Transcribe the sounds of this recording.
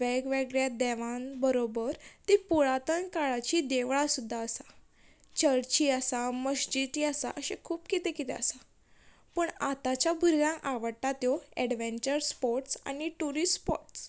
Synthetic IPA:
ɛɡʋɛɡɭjad̪ɛʋãnbəɾobəɾt̪ipuɭat̪ənkaɭat͡ɕid̪eʋɭasud̪ʱːaəsa | t͡ɕəɾt͡ɕiəsaməɕd͡ʑit̪iasa̰ʔəɕḛkʰuːpkit̪ekit̪eə̰sa | pəɳat̪at͡ɕjabʱuɾʋãŋaʋəɽʈat̪joɛɽʋẽɲt͡ɕəɾspɔɾʈsa̰niʈuɾisspɔɾʈss

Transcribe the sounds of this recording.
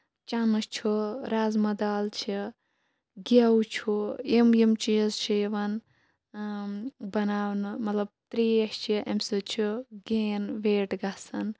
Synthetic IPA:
t͡ʃanɨt͡ʃʰuɾaːzmɐd̪aːlt͡ʃʰi | ɡaut͡ʃʰuimjimt͡ʃizt͡ʃʰijiʋɐn | bɐnaːwnɨmɐt̪lɐb̚t̪ɾiːɐʃt͡ʃʰiʔɐmsɨt͡ʃʰuɡeːnʋeːʈɡasɐn

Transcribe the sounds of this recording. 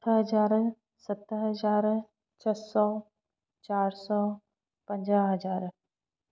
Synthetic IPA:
ɦɐd͡ʒaːɾ | sɐt̪ːəɦɐd͡ʒaːɾ | t͡ʃʰɐsɔː | t͡ʃaːɾsɔː | pə̃ɲd͡ʒaɦɐd͡ʒaːɾ

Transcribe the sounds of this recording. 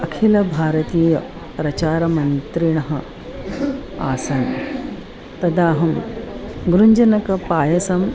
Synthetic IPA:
ɐkʰilɐbʱaːɾɐt̪iːjɐ | pɾɐt͡ɕaːɾɐmɐnt̪ɾiɳ̃ɐɦɐ | a̰ːsɐn | t̪ɐd̪aːɦɐm | ɡɾuɲd͡ʒɐnɐkɐpaːjɐsɐm

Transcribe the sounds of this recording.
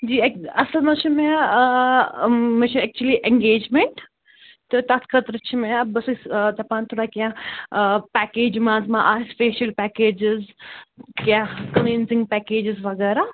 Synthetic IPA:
d͡ʒiːkɐslnɐt͡ʃʰimea | met͡ʃʰiɛk̚t͡ʃuəliʔɛ̃ŋɡeːd͡ʒmeɳʈ | t̪ot̪ɐt̪kʰɐt̪ɾət͡ʃʰimẽabɐsust̪ɐpaːnt̪ʰoːɽakijã | pɛkeːd͡ʒmãːzmãʔaːspeːʃɐlpɛkeːd͡ʒɪz | kjãkɐnẽnzɪ̃ŋɡ̚pɛːkeːd͡ʒɪzʋɐɡɛːɾa

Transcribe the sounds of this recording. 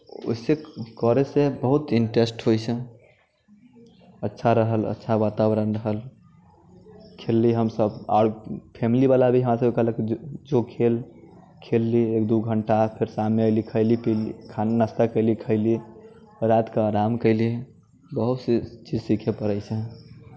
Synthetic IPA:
o̰sekɔɾesebəɦut̪iɳʈɾesʈɦojt͡ʃʰɛ | ətːʃʰaɾəɦələ̰tːʃʰabat̪abɾənɾəɦəl | kʰelːiɦəmsəba̰ɽpʰemilibalabʱiɦəmɾasəbkəɦləked͡ʒokʰel | kʰelːiekd̪uɡʱəɳʈapʰeɾsamneəɪlikʰəɪlipilikʰanəst̪əkːəɪlikʰəɪli | ɾat̪keːɾamkəɪli | bəɦut̪st͡ʃid͡ʒsikʰepəɾəɪsʰə̃

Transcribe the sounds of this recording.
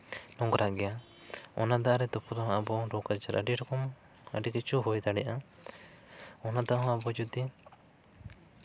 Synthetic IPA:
nɔ̃ŋɡɾaɡɛja | ɔ̰nad̪aʔaɾɛd̪ɔpʰɔd̪ɔɦɔ̃ʔabɔɾɔkad͡ʒaɾʔə̰ɖiɾɔkɔm | əɖikit͡ʃuɦujd̪aɖɛjaʔa | ɔnad̪aʔaɦɔ̃abɔd͡ʒud̪i

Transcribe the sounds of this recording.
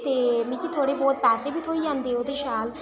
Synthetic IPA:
t̪emikit̪ʰoɽebɔːt̪̚pɛːsibit̪ɦojjand̪eot̪iʃal

